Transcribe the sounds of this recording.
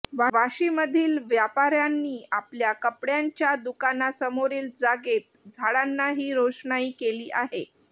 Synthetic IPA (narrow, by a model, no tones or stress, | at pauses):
ʋaʋaɕiməd̪ʱiːlʋjapaɾjanːiːapljakəpɽjaɲt͡ɕjad̪ukanasəmoɾiːld͡zaɡet̪̚d͡zʱaɽanːaɦiːɾoʂɳaiːkeliːʔaɦe